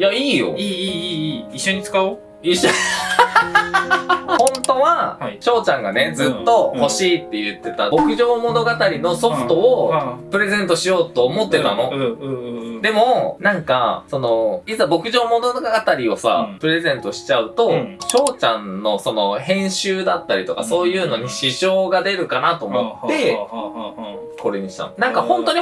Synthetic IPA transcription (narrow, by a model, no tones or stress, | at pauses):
jaiːjo̞̰i | iɕːo̞ɲ̟it͡sɨ̥kaɯ | iɕo | hõ̞nt̪o̞βaɕo̞ːt͡ɕãŋɡane̞d͡zɨt̪ːo̞ho̞ɕiːt̪ːe̞jɯ̟t̪ːe̞t̪abo̞kɯ̟ʑo̞ːmo̞no̞ɡat̪aɾʲino̞so̞ɸɯ̟̥t̪o̞opɯ̟ɾe̞zẽ̞nt̪o̞ɕijo̞ːt̪o̞ːmo̞t̪ːe̞t̪ano̞ | d̪e̞mo̞nãŋkaso̞no̞it͡sɨabo̞kɯ̟ʑo̞ːmo̞noɡɡat̪aɾʲio̞sa̰pɯ̟ɾe̞zẽ̞nt̪o̞ɕi̥t͡ɕaɯ̟t̪o̞ɕo̞ːt͡ɕãnːo̞so̞no̞hẽ̞ɰ̃ɕɨːd̪at̪ːaɾʲit̪o̞kaso̞ːjɯ̟ːno̞ɲ̟iɕiʑo̞ːɡad̪e̞ɾɯ̟kanat̪o̞ːmo̞t̪ːe̞ | ko̞ɾe̞ɲ̟iɕi̥t̪a̰nonãŋkahõ̞nt̪oɲ̟i